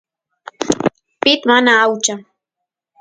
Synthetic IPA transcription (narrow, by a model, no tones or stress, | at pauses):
pɪt̪manaːwt͡ʃaŋ